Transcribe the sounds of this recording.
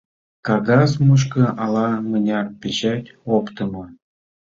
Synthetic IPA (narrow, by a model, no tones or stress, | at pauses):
kɑɡɑsmuʃ̬kɤ̆ʔɑlˠɑmənʲɑrpʲeɕætʲopt̪ɤ̆mɤ̆